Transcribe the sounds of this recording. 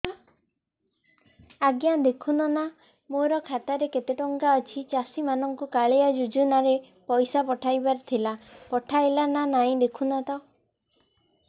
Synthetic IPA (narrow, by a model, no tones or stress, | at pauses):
aɡjad̪ekʰunɔna | moɾɔkʰat̪aɾeket̪eʈɔŋkaɔt͡ʃʰit͡ʃasimanɔŋkukaɭejad͡ʒud͡ʒunaɾe | pɔjsapɔʈʰajbaɾt̪ʰilapɔʈʰajlananaĩd̪ekʰunat̪aw